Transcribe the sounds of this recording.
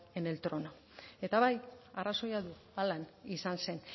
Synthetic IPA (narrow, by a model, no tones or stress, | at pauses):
ene̞lt̪ɾo̞no | e̞t̪aβajaraso̞jaðu | alanisanse̞n